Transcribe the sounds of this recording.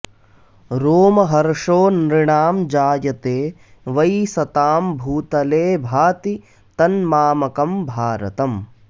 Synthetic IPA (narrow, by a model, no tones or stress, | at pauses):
ɾoːmɐɦɐɾʂoːnɾiɳaːmd͡ʒaːjɐt̪eː | ʋɐjsɐt̪aːmbʱuːt̪ɐleːbʱaːt̪i | t̪ɐnmaːmɐkɐmbʱaːɾɐ̰t̪ɐm